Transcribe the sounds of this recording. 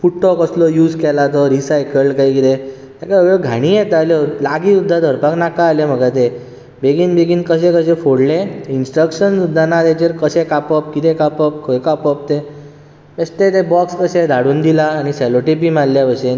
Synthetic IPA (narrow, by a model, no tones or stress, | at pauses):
fuʈːɔkəslɔjuːd͡zkɛlat̪ɔɾisajkəlkaɦikit̪e | t̪jakaəbjoɡʱaɽ̃ĩːjet̪aljɔlaɡiud̪ʱːad̪ʱəɾpaknakaːlem̤əɡat̪̬e | beɡiːnbeɡiːnkəɕẽkəɕẽfoɽleinsʈɾəkɕənsud̪ʱːanat̪at͡ɕeɾkəɕekapəp̚kit̪ekapəp̚kʰojkapɔp̚t̪e | best̪et̪ebɔkskəɕed̪ʱaɽuːnd̪ilaːɽ̃iseloʈip̬imalːjaʋəɕe